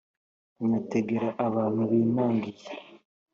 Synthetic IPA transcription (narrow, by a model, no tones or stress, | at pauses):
ɲateɡeɾaʔaβaːn̥huβiːnaːŋɡize